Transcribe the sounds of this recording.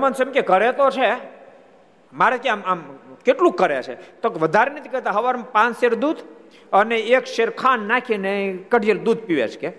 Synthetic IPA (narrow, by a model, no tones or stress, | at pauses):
mənsemkekəɾet̪ot͡ʃʰe | maɾekeamamkeʈlũkːəɾet͡ʃʰḛt̪okeʋəd̪ʱaɾenət̪ʰikəet̪aɦəʋaɾmpãnseɾd̪ud̪ | əneekʃeɾkʰanːakʰinekəɖʱijeld̪ud̪̚ʱpiʋḛt͡ʃʰke